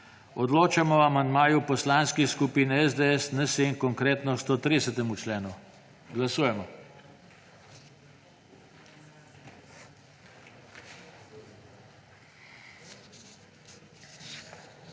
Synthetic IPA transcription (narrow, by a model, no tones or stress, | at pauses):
ɔd̪loːt͡ʃamɔamand̪maːjupɔslanskixskupiːnɛɛzd̪eɛsnəseŋkɔŋkɾeːt̪nɔʃt̪ot̪ɾidsət̪ɛmut͡ʃlɛːnu | ɡlasuːjɛmɔ